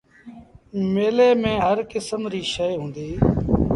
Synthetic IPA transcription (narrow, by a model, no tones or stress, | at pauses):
meːleːmẽːɦəɾkɪsəmɾiːʃəjɦũːnd̪iː